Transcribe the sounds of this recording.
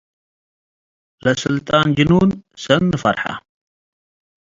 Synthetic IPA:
lɐsɨlt̪ʼaːnd͡ʒɨnunsɐnːɨfɐɾħa̰

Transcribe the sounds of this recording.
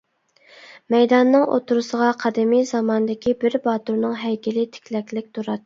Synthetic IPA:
mɛjd̪ɑnːɨŋʔo̰t̪ʰuɾusəʁɑqʰɑd̪ɪmijzɑmɑnɨd̪ɪkʲibɪɾbɑt̪uɾnɨŋɦɛjkʲɪlɪt̪ʰɪ̥kʲʰlɛkʲlɪk̚ʲt̪ʰuɾɑt̪ː

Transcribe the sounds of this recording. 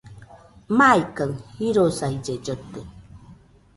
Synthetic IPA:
majkəŋhiɾosaid͡ʒed͡ʒət̪ə

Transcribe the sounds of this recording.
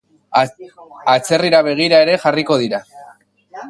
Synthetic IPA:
at͡se̞riɾaβ̞e̞ɣ̞iɾae̞ɾe̞ʝariko̞ð̞iɾa

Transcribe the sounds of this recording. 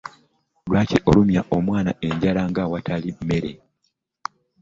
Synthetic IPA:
lwaːciʔo̞lumjaʔo̞mwaːna̰ʔe̞ɲɟalaŋɡawatʰalime̞ɾe̞̰

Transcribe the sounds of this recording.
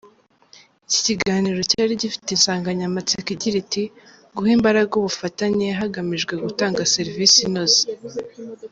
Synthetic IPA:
ici̥ciɡaːniːɾo̞caːɾiɟifi̥tensaːŋɡaɲamat͡sikiɟiɾiti | ɡuhiːmbaɾaɡuβufataɲe̞ɦaɡamiʒɡwe̞ɡutaːŋɡase̞ɾvisinozi̥

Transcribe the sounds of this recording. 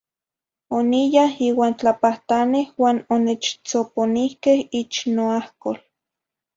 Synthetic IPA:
onijahiːwaːnt͡ɬapaht̪anehwaːnonet͡ʃt͡soponihkehit͡ʃnoahkol

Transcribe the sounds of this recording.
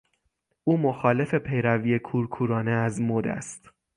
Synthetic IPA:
ʔuːmoxɒːle̞fe̞pʰe̞jɾæviːekʰuːɾkʰuːɾɒːne̞æzmod̪æ̰st̪

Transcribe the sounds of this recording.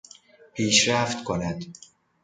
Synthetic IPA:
pʰiːʃɾæft̪kʰonæd̪̥

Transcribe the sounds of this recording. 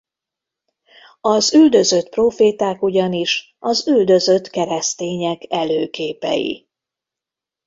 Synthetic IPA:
ɒzyld̪ø̞zø̞t̪proːfeːt̪aːkuɟɒniʃ | ʔɒzyld̪ø̞zø̞t̪kɛɾɛst̪eːɲɛkɛløːkeːpɛ̰jḭ

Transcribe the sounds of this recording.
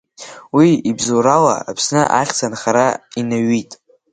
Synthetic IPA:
wiibzoɾala̰ːpʰsnɨʔaχʲt͡sʰanχaɾainaɥitʼ

